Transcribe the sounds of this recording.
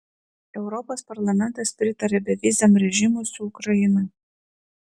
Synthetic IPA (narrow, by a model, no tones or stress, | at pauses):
ɛʊɾɔpoːspɐɾlˠɐmʲɛnt̪ɐspʲɾʲɪt̪ɐɾʲɛbʲɛʋʲɪzʲɛmɾʲɛʒʲɪmʊsʲʊʊkɾɐjɪnɐ